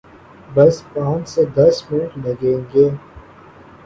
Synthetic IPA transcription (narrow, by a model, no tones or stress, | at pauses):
bɐspãːt͡ʃsed̪ɐsmɪnʈlɐɡẽːŋɡeː